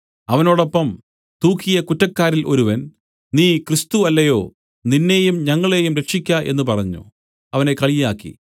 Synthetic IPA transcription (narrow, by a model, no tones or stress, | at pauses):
ɐʋɐno̞ːɽo̞pːɐm | t̪uːkʰːijɐkutːɐkːaːɾilʔoɾuʋɐn | niːkrɨst̪uɐlːɐjo̞ː | ninːe̞ːjumɲɐŋːɐɭe̞jumɾekʂikʲːaʔe̞nːup̬ɐrɐɲːṵ | ɐʋɐne̞kɐɭijaːkːḭ